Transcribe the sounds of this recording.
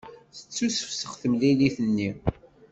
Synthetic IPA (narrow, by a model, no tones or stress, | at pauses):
θə̥t͡sːusə̥fsəχθəmliliθənːi